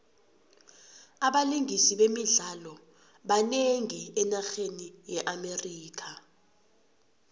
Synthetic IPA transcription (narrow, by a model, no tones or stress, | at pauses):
aɓaliŋisiɓemiɮalɔ | ɓaneŋiɛnaxenijɛʔameriːkʰa